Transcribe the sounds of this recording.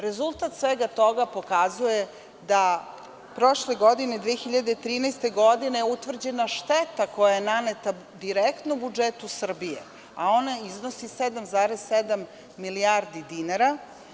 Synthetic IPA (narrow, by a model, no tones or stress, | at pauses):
ɾezulˠt̪at̪sʋeːɡat̪o̞ɡapo̞kazuje | d̪a | pɾo̞ʃleɡo̞d̪ined̪ʋeexiʎad̪et̪ɾiːnɛjst̪e̞ɡod̪ineut̪ʋr̩d͡ʑe̞naʃt̪et̪ako̞jajenanet̪a | d̪iɾekt̪nobud͡ʒet̪usr̩bijḛ | ao̞naiznosised̪amzaːɾesːed̪amː | iliaɾd̪id̪inaɾa